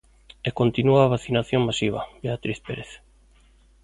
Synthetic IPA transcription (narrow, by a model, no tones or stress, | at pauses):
ekont̪inuaaːβaθinaθjoŋmasiβ̞a̰beat̪ɾiθpeɾeθ